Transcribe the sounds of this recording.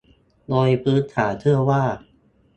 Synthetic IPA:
doː˧jpʰɯː˦˥nt̪ʰaː˩˦t̪ʰɯ˥˩ɐwaː˥˩

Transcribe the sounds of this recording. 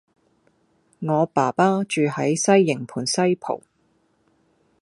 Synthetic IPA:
ŋɔː˨˧paː˨˩paː˥t͡ʃyː˨hɐ˨˥jsɐ˥jːɪ˨˩ŋpʰuː˨˩nsɐ˥jpʰo̰˨˩w

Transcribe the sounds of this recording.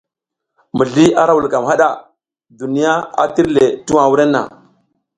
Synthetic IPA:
mu˨ɮi˦a˦ɾa˦wu˨lka˨mɦa˦ɗa˨ | du˨ni˦ja˦a̰˨ti˦ɾle˨tu˦wa˨wu˦ɾe˦nːa̰˨

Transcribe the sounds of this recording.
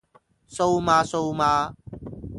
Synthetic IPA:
sowmaː˧sowmaː˧

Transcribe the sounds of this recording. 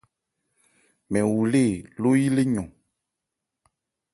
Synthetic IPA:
mɛ̃˨wu˨le˦˨lo˦ji˦le˦ɲɔ̃˨

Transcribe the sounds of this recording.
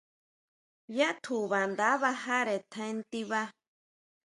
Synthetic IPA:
ja˦ʔt̪ʰu˨βa˨nd̪a˦βa˧ha˦ɾe˨t̪ʰã˧e˦nt̪i˦βa˦

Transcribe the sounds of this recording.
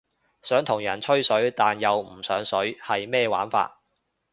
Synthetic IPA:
sœː˨˥ŋt̪ʰʊ˨˩ŋjɐ˨˩nt͡ʃʰɵ˥ɥsɵ˨˥ɥt̪aː˨njɐ˨wm̩˨˩sœː˨˥ŋsɵ˨˥ɥhɐ˨jmɛː˥˧wa̰ː˨˥nfa̰ː˧t̚

